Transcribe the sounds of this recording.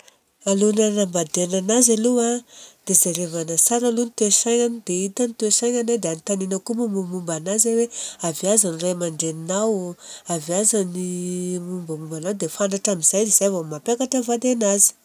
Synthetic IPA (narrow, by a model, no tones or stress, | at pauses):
alunanambad̪enanazaluad̪̥ezaɾevanasaɾalunit̪esajɲanid̪eit̪anit̪uesajɲanad̪eanit̪aninəkumumumumbanazaweaviazaniramaɳɖ͡ʐeninawaviazanimumbamumbanawd̪efant̪aʈ͡ʂamiz̥ajd̪iz̥ajavomapakaʈ͡ʂəvad̪enazi̥